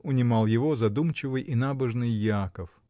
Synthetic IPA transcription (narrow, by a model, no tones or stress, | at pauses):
ʊnʲɪmalˠjɪvozɐd̪umt͡ɕɪvɨjʔɪnabəʐnɨjːɪakəf